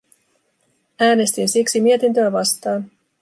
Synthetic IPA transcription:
æːne̞st̪insiksimie̞t̪int̪øæʋɑst̪ɑːn

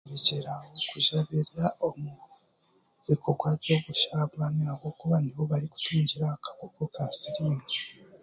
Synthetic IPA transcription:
βid͡ʒeɾaokʰuʒaβiɾaomu | βikʰoɡwaβjo̞ɡuʃaβanakokuβaniβoβaɾiku̥tʰiːɲɟiɾakḁkokokasiɾiːna

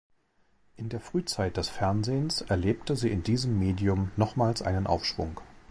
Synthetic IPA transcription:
ʔɪndeːɐfʁ̥yːt͡saɪt̚d̥ɛsfɛɐnzeːənsʔɛɐleːp̚təziːɪndiːzəmːeːdiʊmnɔχmaːlsʔa̰ɪnənʔa̰ʊfʃv̥ʊ̰ŋ

